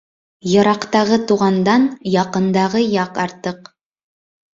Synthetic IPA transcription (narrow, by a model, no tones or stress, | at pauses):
jɤ̆ɾɑqt̪ɑʁɤt̪uʁɑnd̪ɑnjɑqɤ̆nd̪ɑʁɤjɑqɑɾt̪ɤq